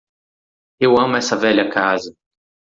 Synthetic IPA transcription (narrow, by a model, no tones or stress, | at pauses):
ewɐ̃mʊɛsɐvɛʎɐkazɐ